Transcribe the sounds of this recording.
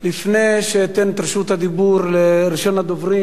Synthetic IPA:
lifneʃet̪ent̪ɾʃut̪had̪ibuɾleɾiʃonad̪ovɾi

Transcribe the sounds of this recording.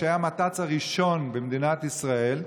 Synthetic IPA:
ajamat̪at͡shaʁiʃo̞nbemd̪inat̪isʁae̞l

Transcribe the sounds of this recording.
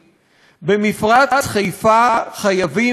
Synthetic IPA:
bemifʁaχajfaχajavi

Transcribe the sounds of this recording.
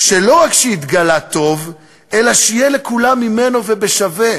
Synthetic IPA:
ʃelo̞ʁakʃeit̪ɡalat̪o̞v | ʔelaʃijelekulamːime̞novebeʃave

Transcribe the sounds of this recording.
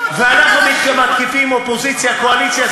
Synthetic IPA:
veanaχumit̪kəmat̪̚kifimopozit͡sjakoalisja

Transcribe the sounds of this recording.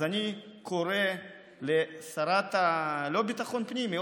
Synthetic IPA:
anikʰoɾe | lesaɾat̪alobit̪aχonpnimi

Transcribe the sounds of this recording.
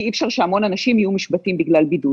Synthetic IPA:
ifʃaʁʃeamo̞nanaʃimijumiʃbatimbiɡlalbidu

